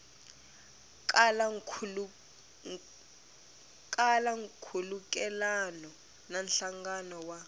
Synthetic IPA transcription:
kl | kʼalaŋkʰuluk̬ʼɛlanɔ | nanɬaŋɡanɔwa

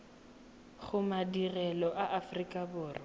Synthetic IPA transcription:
χʊmadirɛlɔʔaʔafrikʼabʊːrɪ

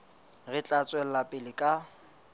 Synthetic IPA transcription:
ɣɪt͡ɬʼat͡sʼwɛl̩lapʼɪlɪkʼa

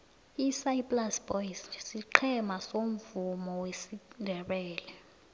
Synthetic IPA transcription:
isajpʼlasb̥ɔjssiǃʰɛmasom̩vumɔwesindʱɛɓɛːlɛ

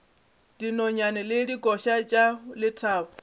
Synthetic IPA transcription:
d̥inɔɲanɛlɪdiɡʼɔʃat͡ʃʼalɪtʰaːpɔ

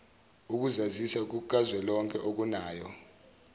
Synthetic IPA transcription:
uk̬uzazisak̬uk̬ʼazwɛlɔŋkʼɛʔok̬unaːjɔ

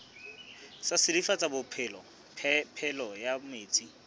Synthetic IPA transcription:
sasɪdifat͡sʼabʊpʰɪlɔ | pʰɛlɔjameːt͡sʼi

